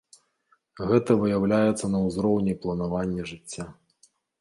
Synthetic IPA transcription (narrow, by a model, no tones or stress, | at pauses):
ɣɛt̪ɐvɨjawlʲajɛt̪sːɐnɐwzɾɔwnʲiplˠɐnavanʲːɛʐɨt͡sʲːa